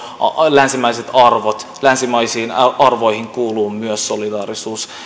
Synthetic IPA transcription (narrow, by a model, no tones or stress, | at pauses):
lænsimæjset̪ɑrʋot̪ | lænsimɑjsiːnɑrʋo̞jhiŋkuːluːmmyøsːo̞lidɑːɾisuːs